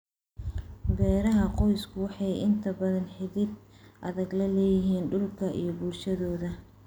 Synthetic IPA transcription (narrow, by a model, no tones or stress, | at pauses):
bɛːɾɐɦɐqɔjskʰʊwɑħɑjɪnt̪ʰɐbɐðɐnħɪðɪd̪ʔɐðɐɡlɐlɛːjɪɦiːnɖʊlkʰɐʔḭjɞbuːrʃɐðɔːðɐ